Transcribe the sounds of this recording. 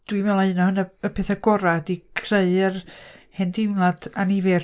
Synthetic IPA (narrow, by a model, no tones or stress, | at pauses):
d̥wimɛlˠaɨnɔhənəəpʰeθaɡɔɾadikʰreɨrhɛndɪŋlad̥anivɛr